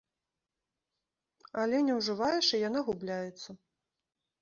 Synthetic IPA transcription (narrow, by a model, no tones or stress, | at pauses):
ɐlʲɛnʲɛwʐɨvajɛʂɨjan̪aɣublʲajɛt̪sːɐ